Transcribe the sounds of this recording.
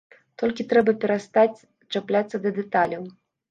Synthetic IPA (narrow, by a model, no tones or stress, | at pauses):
t̪ɔlʲkʲit̪ɾɛbɐpʲɛɾast̪at͡sʲ | t͡ʂaplʲat̪sːɐd̪ɐd̪ɛt̪alʲɐw